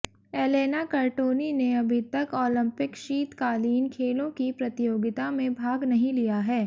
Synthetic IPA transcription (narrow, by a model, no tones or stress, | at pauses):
eːleːnakɐɾʈoːnineɐbʱɪt̪ɐkɔːlɪ̃mpɪkʃiːt̪kaːliːnkʰeːlõkipɾɐt̪ɪjoːɡɪt̪amẽbʱaːɡnɐɦĩlijaɦɛː